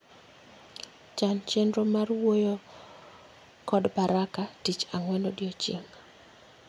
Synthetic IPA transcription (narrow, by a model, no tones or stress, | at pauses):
t͡ʃant͡ʃendɾomarwojo | kɔdbaɾakatit͡ʃaŋwɛlodjot͡ʃḭŋ